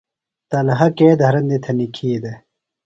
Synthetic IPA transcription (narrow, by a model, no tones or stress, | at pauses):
t̪ɐlɐɦɐkeːd̪ɐɾɐnd̪it̪ʰɐnikʰiːd̪e